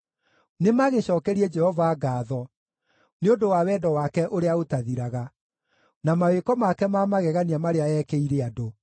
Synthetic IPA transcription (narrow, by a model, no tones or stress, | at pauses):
nemaɣeɕɔːkɛɾiɛd͡ʒɛhɔvaːɡaːðɔ | neodowawɛːdɔwakɛʔoɾeaotaðiɾaɣa | namawekɔmakɛmamaɣɛɣaniamaɾeaɛkɛiɾeado